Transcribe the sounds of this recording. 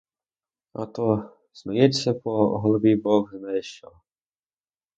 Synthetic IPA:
ɐ̰t̪ɔ | smɐjɛt͡sʲːɐpɔɦɔlˠɔʋʲibɔɣznajɛʃt͡ʃɔ

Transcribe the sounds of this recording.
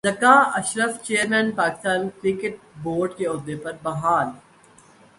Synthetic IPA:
zɐkaːɐʃɾəft͡ʃeːəɾmɛ̃ːnpaːkɪ̥st̪aːnkɾɪkɪʈ̚boːɾɖkeɔd̪epɐɾbɐɦaːl

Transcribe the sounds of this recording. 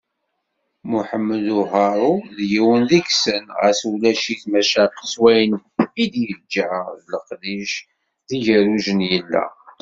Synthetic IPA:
muħəmːəluɦɑɾˤuðjiwənðiksənʁæ̰swlæʃiθmæʃaqswæjənid̪jəld͡ʒʕəðləqðiʃ | ðiʝəɾuʒənjəlːæ̰

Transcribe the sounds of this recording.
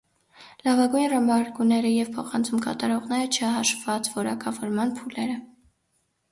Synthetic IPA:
lɑvɑɡujnrɑmbɑɾɡunɛɾəjɛvpʰɔχɑnt͡sʰumkɑ̰t̪ɑɾɔʁnɛɾət͡ʃʰəɦɑʃvɑt͡svɔɾɑ̰kʰɑvɔɾmɑnpʰulɛɾə

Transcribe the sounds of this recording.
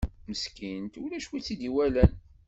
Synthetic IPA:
məskint̪ulæʃwit͡sːid̪iwælæn

